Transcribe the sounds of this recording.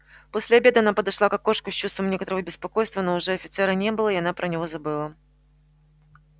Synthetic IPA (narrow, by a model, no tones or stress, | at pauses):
posʲlʲɪɐbʲed̪ɨɐnapəd̪ɐʂlˠakɐko̞ʂkʊsʲt͡ɕːust̪vəmnʲe̞kət̪əɾəvəbʲɪspɐko̞jst̪vənoʊʐɛɐfʲɪ̥t̪sɛɾənʲe̞bɨlˠəɪɐnapɾʔənʲɪvozɐbɨlˠə